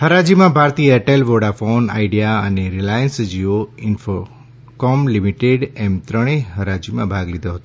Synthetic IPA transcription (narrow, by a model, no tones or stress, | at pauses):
həɾad͡ʒimãbʱaɾt̪iəɛʈelʋoɽafona̰iɖijaəneɾilajənsd͡ʒioɪnfo | kɔmlimiʈeɖɛmt̪ɾəɽ̃eɦəɾad͡ʒimãbʱaɡlid̪ʱoɦət̪õ